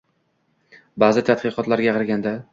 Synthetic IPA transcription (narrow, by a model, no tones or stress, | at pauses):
baːzɪt̪ʰat̪̚qɨqɒt̪laɾɡʲaqɨɾɡʲand̪a